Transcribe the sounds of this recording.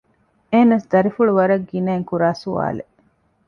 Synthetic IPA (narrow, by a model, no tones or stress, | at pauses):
eːnɐsd̪ɐɾifuɭuʋɐɾɐɡːinɐːŋkuɾaːsua̰ːle